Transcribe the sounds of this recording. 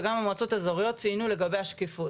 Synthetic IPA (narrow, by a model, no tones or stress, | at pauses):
ɡamamat͡so̞tazoʁijo̞t̚t͡siinule̞ɡabe̞jaʃkefo